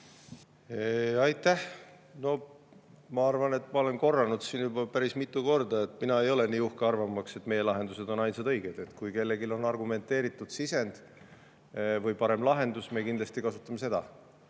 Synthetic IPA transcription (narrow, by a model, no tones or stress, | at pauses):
eɑjt̪ˑːæh | no̞ | mɑɑrvɑnet̪ːˑmɑole̞nko̞rːɑnud̪̥siːnjubɑpæɾismit̪ːˑuko̞rd̪ɑet̪ːˑminɑe̞jo̞leniːuhkeɑrvɑmːɑkse̞t̪ːme̞je̞lɑɦe̞nd̪use̞d̪̥o̞nɑjnsɑd̪ɤ̞jɡ̥ed̪̥et̪kujke̞lːe̞ɡilo̞nɑrɡume̞nt̪ːˑe̞ːɾit̪ːˑud̪̥sise̞nd̪̥ | vɤjpɑɾe̞mlɑɦe̞nd̪usme̞kind̪lɑst̪ikɑsut̪ːˑɑme̞se̞d̪̥ɑ̰